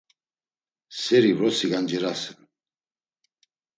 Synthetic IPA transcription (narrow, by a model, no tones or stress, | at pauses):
sɛɾivɾɔsiɡand͡ʒɛɾasɛn